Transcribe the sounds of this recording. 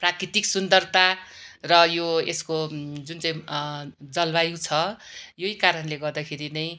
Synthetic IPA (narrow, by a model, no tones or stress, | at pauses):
prakrit̪iksund̪ʌrt̪arʌjoeskod͡zunt͡sãĩ | d͡zʌlbajũt͡sʰʌjoikaɾʌnleɡʌrd̪akʰeɾinʌj̃